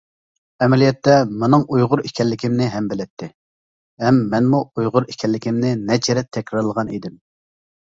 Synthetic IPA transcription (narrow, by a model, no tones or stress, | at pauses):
ɛmɛlijɛt̪ːɛmɨnɨŋujʁʊɾikʲʰɛlːɪkʲʰɪmnɪɦɛmbɪlɪt̪ʰːɪ | hɛmːɛnmuujʁʊɾikʲʰɛlːɪkʲɪmnɪnɛt͡ʃʰeɾɛt̪ʰɛkʲɾɑɾlˠəʁɑnḭd̪ɪm